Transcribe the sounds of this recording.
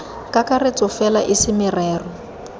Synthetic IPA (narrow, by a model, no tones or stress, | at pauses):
kʼakʼaret͡sʼɔfɛlaʔɪsɪmɪrɛːrɔ